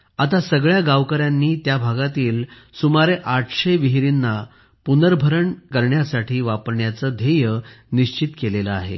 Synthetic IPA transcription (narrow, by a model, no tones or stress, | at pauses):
at̪asəɡɭjaɡaʋkəɾjanːiːt̪jabʱaɡat̪iːl | sumaɾeʔaʈʰɕeʋiɦɾinːa | punəɾbʱəɾəɳkəɾɳjasaʈʰiːʋapəɾɳjat͡səd̪ʱejəniɕt͡ɕit̪keleləa̰ɦḛ